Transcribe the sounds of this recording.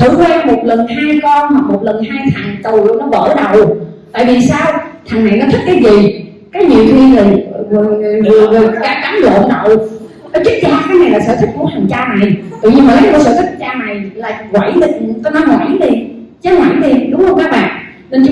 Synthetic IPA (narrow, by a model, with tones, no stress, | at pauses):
t̪ʰɨ̰˧˩˥kwaː˧nmo˨˩t̚lə˨˩nɦaː˧jkɔ˧nhwa˨˩k̚mo˨˩t̚lə˨˩nɦaː˧jt̪ʰa˨˩ŋt̪ʊ˨˩˧nɔ˨˦və̰ː˧˩ɗə˨˩wt̪a̰ː˧˨jvi˨˩saː˧wt̪ʰa˨˩ŋna̰˨jnɔ˨˦t̪ʰi˦˥t̚kːaː˨˦jzi˨˩ | kaː˨˦jɲi˨əwt̪ʰwi˧ələ˨˩˨ | kaː˨˦ka˨˦nlo̰˧˨nɗə˨˩w | nɔ˨˦t͡ɕʊ˦˥t̚t͡ɕaː˧kaː˨˦jna˨˩jlaː˨˩sə̰ː˧˩t̪ʰi˦˥t̚ku˧˩ət̪ʰa˨˩ŋt͡ɕaː˧na̰˧˨jt̪ɨ̰˧˨ɲi˧mː˨˩ka˦˥ko˧˩səː˧˩t̪i˦˥t̚t͡ɕaː˧na˨˩jlaː˨˩kwa˧˩jɗi˨˩kɔ˧˨˦na˨˧˦mŋwa̰ː˧˥nɗi˧t͡ɕa˨˦jŋwa̰ː˧˩˦nɗi˧ɗʊ˨˦ŋ͡mxə˧wŋ͡mkaː˦˥k̚ɓa̰ː˧˨n | ne˧nt͡ɕ